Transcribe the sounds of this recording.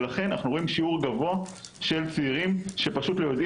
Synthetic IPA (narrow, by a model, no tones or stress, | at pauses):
laχe̞nanaχnuʁo̞imʃiuʁɡavo̞aʃe̞lt͡siːʁimʃe̞paʃutlojod